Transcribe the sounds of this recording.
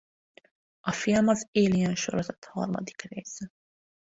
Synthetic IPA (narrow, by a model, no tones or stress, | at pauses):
ɒfilmɒzeːlijɛnʃo̰ɾozɛt̪hɒ̰rmɒ̰d̪ikreːsɛ